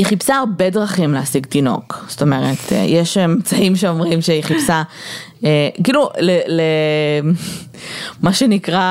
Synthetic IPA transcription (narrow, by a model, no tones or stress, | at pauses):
iχipsaaʁbe̞dʁaχimleasiɡt̪ino̞̰ksto̞meʁet̪ʰjeʃemmt͡saimʃeo̞mʁimʃeiχipsa | ekiːlulele | maʃenikʁa